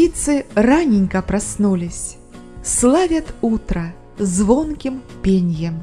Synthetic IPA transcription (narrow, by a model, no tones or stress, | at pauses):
it̪sɨranʲinʲkɐpɾasnulʲisʲ | slˠavʲɐt̪ut̪ɾɐ | zvɔnkʲimpʲenʲjɛm